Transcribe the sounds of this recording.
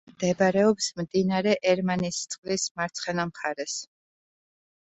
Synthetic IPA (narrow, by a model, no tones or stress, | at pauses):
md̪̥ɛbɾɛɔpsmd̪inaɾɛʔɛɾmanist̪sʼqʼlismaɾt̪sʰχɛnamχaɾɛs